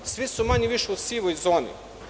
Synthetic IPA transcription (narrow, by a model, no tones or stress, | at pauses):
sʋisumaɲeʋiʃeusiʋojzoːnḭ